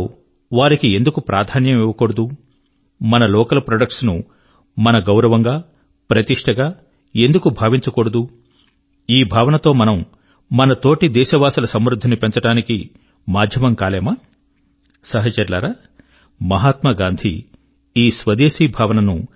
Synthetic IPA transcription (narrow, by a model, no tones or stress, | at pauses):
ʋaːɾikie̞nd̪ukupɾʔaːd̪ʱaːnjɐmiʋɐkoɽud̪u | mɐnɐlɔːkɐlɐpɾoːɖɐk̚ʈsnu | mɐnɐɡɐwɾɐʋɐŋɡaː | pɾɐt̪iʂʈʰɐɡaː | e̞nd̪ukubʱaːʋiɲt͡ʃɐkoɽɐd̪u | iːbʱaːʋɐnɐt̪o̞ːmɐnɐm | mɐnɐt̪o̞ːʈid̪ɛːʃɐʋaːsɐlɐsɐmɾud̪ʱːɐnipeɲt͡ʃɐʈaːniki | maːd̪ʱjɐmɐŋkaːlɛːmɐː | sɐɦɐt͡ʃɐɾlaːɾaː | mɐɦaːt̪mɐɡaːnd̪ʱḭ | iːsʋɐd̪eːsiːbʱaːʋɐnɐnu